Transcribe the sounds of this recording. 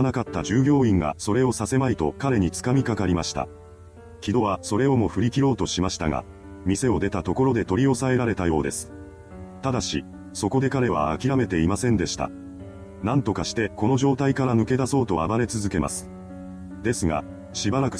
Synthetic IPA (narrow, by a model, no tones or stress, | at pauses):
nakat̪ːad͡ʑɨːɡʲo̞ːĩŋɡa̰so̞ɾe̞o̞sase̞mait̪o̞kaɾe̞ɲ̟it͡sɨ̥kamʲikakaɾʲimaɕi̥t̪a̰ | kʲid̪o̞βaso̞ɾe̞o̞mo̞ɸɯ̟ɾʲikʲiɾo̞ːt̪o̞ɕimaɕi̥t̪aɡa̰ | mʲise̞o̞d̪e̞t̪at̪o̞ko̞ɾo̞d̪e̞t̪o̞ɾʲio̞sae̞ɾaɾe̞t̪ajo̞̰ːd̪e̞sɨ̥ | t̪ad̪aɕi | so̞ko̞d̪e̞kaɾe̞βa̰ːkʲiɾame̞t̪e̞imasẽ̞nd̪e̞ɕi̥t̪a̰ | nãnt̪o̞kaɕi̥t̪e̞ko̞no̞ʑo̞ːt̪aikaɾanɯ̟ke̞d̪aso̞ːt̪o̞a̰baɾe̞t͡sɨzɨke̞ma̰sɨ̥ | d̪e̞sɨɡa̰ | ɕibaɾakɯ̟